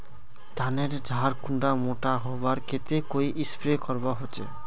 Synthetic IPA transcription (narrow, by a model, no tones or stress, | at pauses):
t̪aneɾd͡ʑʱaɾkuɳɖamoʈaɦɔbaɾkʰet̪ekojʔispɾekɔɾbaɦot͡ɕʰḛ